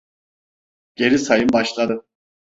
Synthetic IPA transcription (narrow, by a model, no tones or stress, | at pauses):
ɟ̥e̞ɾisajɯmbaʃlˠad̪ɯ